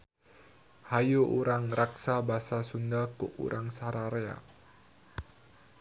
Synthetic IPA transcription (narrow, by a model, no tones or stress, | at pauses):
hajuʔuɾaŋraksabasasundakṵʔṵɾʔaŋsaɾaɾea̰